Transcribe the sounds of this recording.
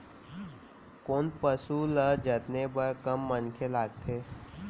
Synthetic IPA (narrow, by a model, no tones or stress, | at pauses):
koːnpəsuləd͡ʒət̪nebəɾkəmːənkʰelaːɡ̚t̪ʰeː